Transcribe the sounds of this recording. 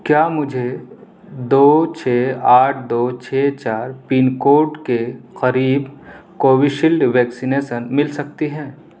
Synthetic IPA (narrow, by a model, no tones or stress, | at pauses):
kjaːmʊd͡ʒʱe | d̪oːt͡ʃʰeːaːʈʰd̪oːt͡ʃʰeːt͡ʃaːɾpiːnkoːʈkeqɐɾiːbkoːʋiʃɪlɖʋɛːksineːʃənmɪlsɐk̚t̪iɦɛ̃ː